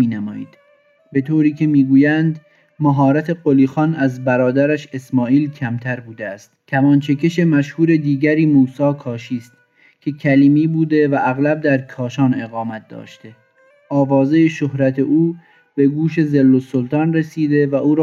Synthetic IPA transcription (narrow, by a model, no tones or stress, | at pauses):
iːnæmɒːḭːd̪̥ | be̞t̪ʰoːɾiːcʰe̞miːɡuːjænd̪ | mæɦɒːɾæt̪ʰe̞ɢoliːxɒːnæzbæɾɒːd̪æɾæʃe̞smɒːʔiːlcʰæmt̪ʰæɾbuːd̪eæst̪t̪ʰæmɒːnt͡ʃʰece̞ʃe̞mæʃhuːɾed̪iːɟæɾiːmuːsɒːkʰɒːʃiːst̪ | cʲʰe̞cʰæliːmiːbuːd̪e̞væʔæɣlæb̚d̪æɾkʰɒːʃɒːne̞ɣɒːmæt̪̚d̪ɒ̰ːʃt̪e̞ | ʔɒːvɒːzejeʃohɾæt̪ʰe̞ʔuː | be̞ɡuːʃe̞zelːosolt̪ʰɒːnɾesiːd̪e̞væʔuːɾː